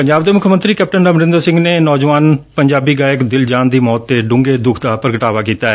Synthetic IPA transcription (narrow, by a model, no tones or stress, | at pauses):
pəɲd͡ʒaːbd̪eːmʊkʰmə̃nt̪ɾiːkɛːp̚ʈənəməɾɪ̃nd̪əɾsɪ̃ŋɡneːnɔːd͡ʒʋaːnpəɲd͡ʒaːbiːɡaːjəkd̪ɪld͡ʒaːnd̪iːmɔːt̪ːeːɖʊ̃ŋɡeːd̪ʊkʰd̪aːpəɾɡəʈaːʋaːkiːt̪aːɛː